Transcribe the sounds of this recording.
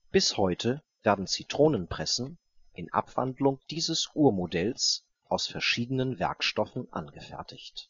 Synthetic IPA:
b̥ɪshɔʏtʰə | veːɐdn̩t͡sitʁ̥oːnənpʁ̥ɛsn̩ | ʔɪnʔa̰pv̥a̰ndlʊŋd̥iːzəsʔuːɐmodɛls | ʔaʊsfɛɐʃiːdənənvɛ̰ɐkʃtɔfn̩ʔa̰nɡəfɛ̰ɐtʰɪçt

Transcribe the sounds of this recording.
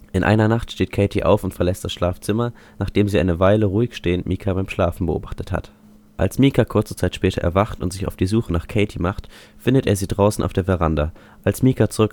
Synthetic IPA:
ʔɪnʔa̰ɪnɐnaχtʃteːtkʰɛɪtʰiʔa̰ʊfʊntfɛɐlɛst̚d̥asʃlaːft͡sɪmɐ | naːχd̥eːmziːʔa̰ɪnəvaɪləʁuːɪçʃteːəntmiːkʰabaɪmʃlaːfn̩bəʔo̰ːbaχtətha̰t | ʔa̰lsmiːkʰakʰʊɐt͡sət͡saɪtʃpɛːtʰɐʔɛ̰ɐvaχtʊ̰ntz̥ɪça̰ʊfd̥iːzuːxənaːχkʰeɪtʰimaχtfɪndəteːɐziːdʁaʊsn̩ʔa̰ʊfd̥eːɐvɛʁandɐ | ʔalsmiːkat͡suʁʏk

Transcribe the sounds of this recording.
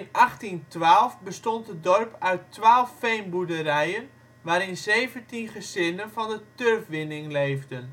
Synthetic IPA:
ɪnaχtintʋaːlˠfbəstɔntdədɔrpœɥtʋaːlˠfːejmbudərɛjən | ʋaːɾɪnzejvəntinχəzɪnənvɑndətørfʋɪnɪŋlejvdən

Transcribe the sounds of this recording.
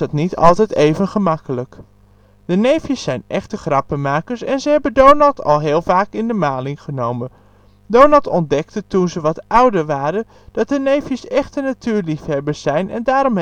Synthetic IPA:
ɑtnitɑ̰lˠtɛjtejvənχəmɑkələk | d̥ənejfjəsːɛjnɛχtəχrɑpəmaːkəɹsɛnzəɦɛbəndownɑlˠtʰɑ̰lˠɦɪːlˠvaːkɪndəmaːlɪŋχənowmən | downɑlˠtɔndɛk̚tətunzəʋɑtʔʌwdəɹʋaːɾən | d̥ɑt̚dənejfjəsɛχtənatyːɹlifɦɛbəsɛjnʔɛ̰ndaːɾɔm

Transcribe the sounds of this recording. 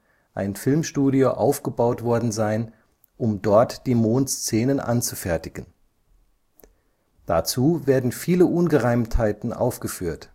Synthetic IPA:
ʔa̰ɪnfɪlmʃtuːɾioʔaʊfɡ̥əbaʊtv̥ɔɐdn̩zaɪn | ʔʊmdɔɐtd̥iːmoːntst͡seːnənʔa̰nt͡sufɛɐtɪɡ̥ən̩ | d̥at͡suːveːɐdn̩fiːləʔʊnɡəʁaɪmthaɪtn̩ʔa̰ʊfɡ̥əfyːɐt

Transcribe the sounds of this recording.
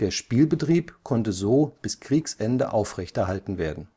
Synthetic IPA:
d̥eːɐʃpiːlbətʁ̥iːpkʰɔntəzoːb̥ɪskʁ̥iːksʔɛndə̰ʔaʊfʁɛçtɛɐɦaltn̩veːɐdn̩

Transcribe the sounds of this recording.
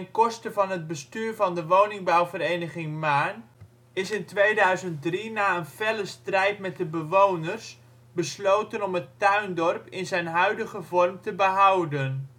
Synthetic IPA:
ənkɔstəvɑnɦəd̚bəstyːrvɑndəʋownɪŋbawvəɾejnəχɪŋmaːn | ɪsɪntʋejdœɥzənt̚drinaːənvɛləstrɛjtmɛt̚dəbəʋownərs | bəslowtənɔmətœɥndɔrpɪnzɛjnɦœɥdəχəvɔrmtəbəɦʌwdən

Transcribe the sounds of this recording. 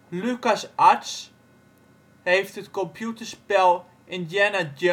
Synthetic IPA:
lʉkasʔats | heftətkɔmpʰjutəɹspɛlˠ | ʔɪ̃njɛnad

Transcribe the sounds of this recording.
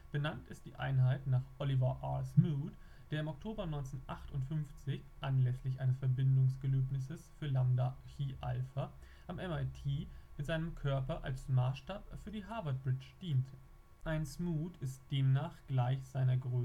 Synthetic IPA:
b̥ənantɪst̚d̥iːʔa̰ɪnɦaɪtnaːχʔɔlivɐʔa̰ːlsmuːt | d̥eːɐɪmɔk̚tʰoːbɐnɔʏnt͡senʔaχtʊntfʏnft͡sɪçʔanlɛslɪçʔaɪnəsfɛɐbɪndʊŋsɡ̥əløːpnɪs̬əsfyːɐlamdaçiːʔa̰lfɐ | ʔamʔɛmaɪtʰiːmɪtz̥aɪnəmkʰœɐpɐʔa̰lsmaːsʃtaːpfyːɐdiːɦaɐvɐt̚b̥ʁɪt͡ʃd̥iːntʰə | ʔaɪnsmuːtɪst̚d̥eːmnaːχɡ̥laɪçz̥aɪnɐɡʁøː

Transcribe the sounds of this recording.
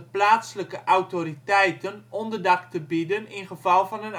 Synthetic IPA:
əplaːtsləkəʔawtoɾitɛjtənɔndərdɑktəbidənɪnχəvɑlˠvɑnən

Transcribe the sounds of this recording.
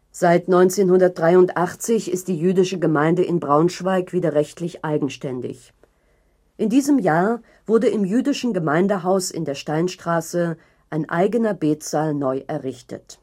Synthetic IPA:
z̥aɪtnɔʏnt͡seːnhʊndɐt̚d̥ʁaɪʊntʔaχt͡sɪçɪst̚d̥iːjyːdɪʃəɡəmaɪndəʔɪnbʁaʊnʃv̥aɪkv̥iːdɐʁɛçtʰlɪçʔaɪɡŋ̩ʃtɛndɪ̰ç | ʔɪndiːzəmjaːɐ | v̥ʊɐdəɪmjyːdɪʃn̩ɡəmaɪndəɦaʊsɪ̰ndeːɐʃtaɪnʃtʁ̥aːsə | ʔaɪnʔa̰ɪɡənɐbeːtt͡saːlnɔʏʔɛɐʁɪçtə̰t

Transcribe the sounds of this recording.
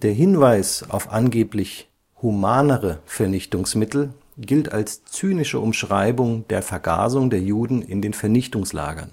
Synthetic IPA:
d̥eːɐɦɪnvaɪsʔa̰ʊfʔanɡeːplɪç | humaːnəʁəfɛɐnɪçtʊŋsmɪtl̩ | ɡɪlta̰lst͡syːnɪʃəʔʊmʃʁ̥aɪbʊŋdeːɐfɛɐɡa̰ːzʊŋdeːɐjuːdn̩ɪ̰ndeːnfɛɐnɪçtʊŋsla̰ːɡɐ̰n

